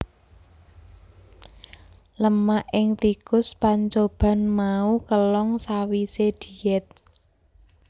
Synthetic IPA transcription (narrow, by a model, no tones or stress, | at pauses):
ləmaʔɪŋt̪ikʊspaɲt͡ʃob̥ä̤nmaukəlɔŋsawised̪̥i̤ɛt̪̚